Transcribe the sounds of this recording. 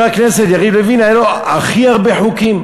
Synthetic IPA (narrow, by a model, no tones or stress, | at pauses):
akneset̪jaʁidlevinaeloaχiaʁbeħukim